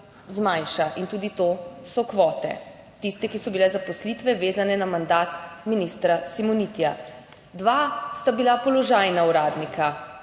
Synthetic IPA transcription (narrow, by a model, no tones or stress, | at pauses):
zmajnʃaʔint̪uːd̪it̪oːsɔkʋɔːt̪ɛ̰ | t̪ist̪ɛkisɔbilɛzapɔslit̪ʋɛʋeːzanɛnamand̪aːt̪minist̪ɾasimɔnit̪ija | d̪ʋast̪abilapɔlɔʒajnauɾaːd̪nikʰa